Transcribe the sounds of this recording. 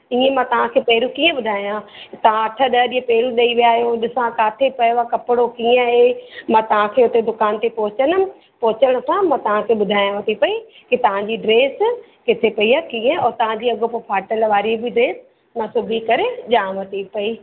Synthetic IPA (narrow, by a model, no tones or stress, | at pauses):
iːẽmãt̪ɐʋ̤ãkʰeːpeːɾukiːẽɓʊd̪ʱaːjãt̪ɐʋ̤ãɐʈʰəɗɐɗiẽpeːɾuɗɐiʋijaːɦjoɗɪsãkaːt̪ʰepɐjʋakɐpɪɽokiẽaɦemãt̪ɐʋ̤ãkʰeːʊt̪ed̪ʊkaːnt̪epɔɦʊt͡ɕənʊ̆ | pɔːʊt͡ɕəɽ̃ʊ̆sãmãt̪ɐʋ̤ãkʰeːɓʊd̪ʱaːjãʋɐt̪ʰipɐi | kit̪ɐʋ̤ãɲd͡ʑiɖɾeːs | kɪt̪ʰepɐiakiːẽɔːɾt̪ɐʋ̤ãɲd͡ʑiːɐɡʱopopʰaːʈəlʋaːɾibʱiɖɾeːs | mãsʊbʱikɐɾed͡ʑaːmʋɐt̪ʰipɐiː